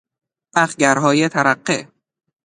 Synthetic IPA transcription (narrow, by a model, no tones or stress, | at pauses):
ʔæxɟæɾɦɒːjet̪ʰæɾæɢːe